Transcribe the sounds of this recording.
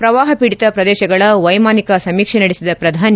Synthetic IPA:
pɾɐʋaːɦɐpiɽit̪ɐpɾɐd̪ɛːʃɐɡɐɭɐʋɐjmaːnikɐsɐmiːkʂɛnɐɽisid̪ɐpɾɐd̪ʱaːni

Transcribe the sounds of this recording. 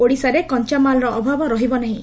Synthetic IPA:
oɽisaɾekɔnt͡ʃamalɾɔʔɔbʱabɔɾɔɦibɔnaɦĩ

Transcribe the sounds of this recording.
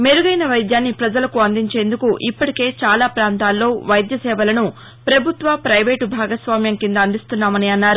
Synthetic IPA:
meɾuɡɐjnɐʋɐjd̪jaːnːipɾɐd͡ʒɐlɐkuɐnd̪iɲt͡ʃe̞ːnd̪ukuʔipːɐʈike̞ːt͡ʃaːlaːpɾaːnt̪aːlːo̞ːʋɐjd̪jɐsɛːʋɐlɐnu | pɾɐbʱut̪ʋɐpɾɐjʋeːʈbʱaːɡɐsʋaːmjɐŋkind̪ɐɐnd̪ist̪unːaːmɐniɐnːaːɾu

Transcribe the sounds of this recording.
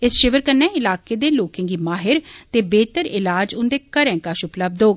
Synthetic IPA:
ɪsʃɪʋəɾkənːɛ̃ːɪlaːkeːd̪eːloːkɪ̃ŋɡiːmaːɦɪɾt̪eːbeːt̪əɾɪlaːd͡ʒʊ̃nd̪eːkəɾɛ̃ːkaʃʊpləb̚d̪oːɡ

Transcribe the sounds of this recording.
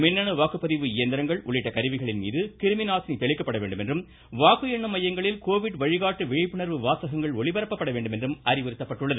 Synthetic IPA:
mɪnːɐnɯʋaːkɯpːɐðɪʋɯɪjɐnd̪ɪɾɐŋɡɐɭʔʊɭːɪʈːɐkɐɾɯʋɪɣɐɭɪnmḭːðɯkɪɾɯmɪnaːsnit̪ɛɭɪkːɐpːɐɽɐʋḛːɳɖɯmɛndrɯm | ʋaːkɯjɛɳːɯmːɐjɐŋɡɐɭɪlkoːʋɪɽʋɐɻɪɣaːʈːɯʋɛɻɪpːɯɳɐɾʋɯʋaːsɐɣɐŋɡɐɭɔɭɪʋɐɾɐpːɐpːɐɽɐʋeːɳɖɯmɛndrɯmɐɾɪʋɪɾɯt̪ːɐpːɐʈːɯɭːɐðɯ

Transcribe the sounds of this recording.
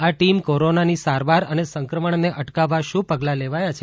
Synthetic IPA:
aʈimkoɾonanisaɾʋaɾənesəŋkɾəməɳneʔəʈkaʋːaʃũpəɡlaleʋajat͡ʃʰe

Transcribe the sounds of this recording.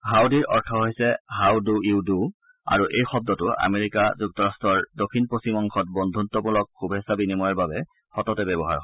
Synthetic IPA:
ɦawdiɹʔɔɹtʰɔɦojsɛɦawduidu | a̰ɹuʔejxɔb̚dɔtʊʔa̰meɹikazuk̚tɔɹastɹɔɹdokʰːinpɹosimɔŋkʰɔt̚bɔndʱuntɔpʊlɔkxubʱɛsabinimɔjaɹbabɛ | xɔtɔtɛbɛbɔɦa̰ɹɔ

